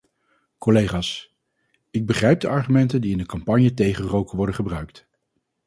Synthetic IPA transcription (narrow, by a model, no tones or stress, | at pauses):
kɔlejχaːs | ɪɡ̚bəχrɛjb̚dəɑɹχymɛntəndiɪndəkɑmpɑɲjətejχərowkəʋɔɹdəχəbrœɥkt